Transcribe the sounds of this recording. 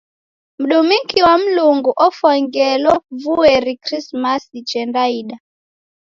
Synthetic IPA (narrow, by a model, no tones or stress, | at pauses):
m̩ɗumiŋkiwam̩luŋɡuʔɔfɔŋɡɛlɔvuɛɾikɾismasit͡ʃɛndaiɗa